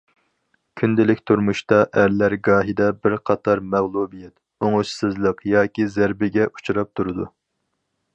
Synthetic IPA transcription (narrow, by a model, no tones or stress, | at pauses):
kʲʰynd̪ɪlɪkʲt̪ʰuɾmuʃt̪ɑʔæɾlæɾɡɑːɦid̪ɛbɪɾqʰɑt̪ʰɑɾmæʁlˠubijɛt̪ | oŋuʃsɨzlˠəqjɑːkʲizæɾbɪɡʲɛʔu̥t͡ʃuɾɑp̚t̪ʰuɾɨd̪u